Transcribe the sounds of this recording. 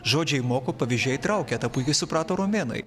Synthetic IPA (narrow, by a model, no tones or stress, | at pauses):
ʒoːd͡ʒʲɛɪmoːkoːpɐʋʲɪʒʲɛjt̪ɾɐʊkʲɛt̪ɐpuɪkʲɛsʊpɾɑːt̪oːɾoːmʲeːnɐ̰ɪ